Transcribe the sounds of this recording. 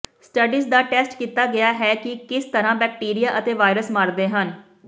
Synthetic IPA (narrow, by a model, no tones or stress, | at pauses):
sʈəɖiːsd̪aːʈɛːsʈkiːt̪aːɡɪaːɦɛːkɪkɪst̪əɾãːbɛːk̚ʈiːɾijaːʔət̪eːʋaːɪɾəsmaːɾd̪eːɦən